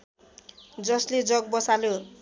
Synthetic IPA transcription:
d͡zʌsled͡zʌɡ̚bʌsaljo

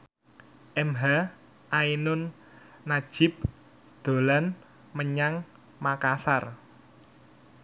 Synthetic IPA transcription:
ʔɛmɦa | ʔainʊnː | ḁʒ̥ɪ̤p̚ | d̪̥o̤lan | məɲaŋ | makasar

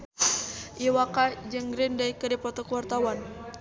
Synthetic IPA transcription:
ʔiwakad͡ʒəŋɡɾɪndajkədipɔt̪ɔkuwart̪awan

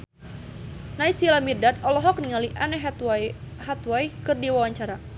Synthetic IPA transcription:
naisilamirdat̪ɔlɔɦɔk̚niŋaliʔanɛ | hat̪wajkɨrdiwawaɲt͡ʃaɾa

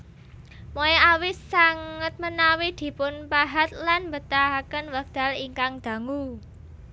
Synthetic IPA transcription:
mojɛʔawɪsːaŋət̪̚mənawid̪̥i̤pʊnpaɦat̪̚lanmbət̪aɦakənwaɡ̚d̪̥a̤liŋkaŋd̪̥a̤ŋu

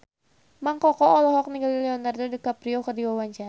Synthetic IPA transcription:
maŋkɔkɔɔlɔɦɔk̚niɡalilɛɔnardodikapɾiɔkərdiwawaɲt͡ʃa

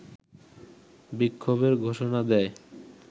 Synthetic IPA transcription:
bikʰːobeɾɡʱoʃonad̪ɛe

